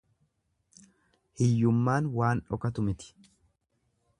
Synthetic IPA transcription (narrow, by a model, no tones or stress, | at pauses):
hɪjːʊmːaːnwaːnᶑɔkɐt̪ʊmɪt̪ɪ̥